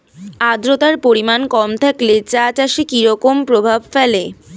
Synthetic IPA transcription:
ad̪ɾot̪aɾpoɾimankɔmt̪ʰaklet͡ɕat͡ɕaʃekiɾɔkompɾobʱabfɛle

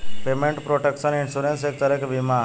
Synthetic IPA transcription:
pemẽɳʈpɾoʈekʃəninsuɾensek̚t̪əɾəkbima

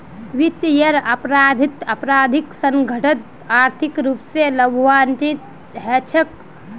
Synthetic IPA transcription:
ʋit̪jəɾəpɾad̪ʱit̪əpɾaːd̪ʱiksəŋɡʱəʈʰət̪ | aɾt̪ʰikɾupseləbʱwantit̪ | ɦɛt͡ʃʰək

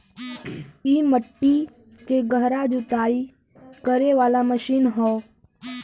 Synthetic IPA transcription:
iːməʈːi | keɡəɦɾad͡ʒʊt̪aːi | kəɾeʋaːlaməʃiːnɦoː

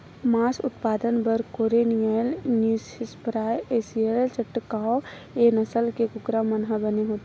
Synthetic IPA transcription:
maːsʊ̰t̪paːd̪ənbəɾkoːɾenijəlnjuːsɪspɾaːjeːsielt͡ʃəʈːkao | enəsəlkekʊkɾamɐnɦəbəneɦoːt̪e

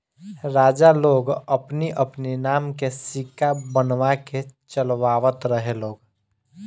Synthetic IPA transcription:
ɾaːd͡ʒaloːɡəpniʔəpninaːmkesɪkabənʋaket͡ʃəlʋaːʋət̪ɾəɦeloːɡ

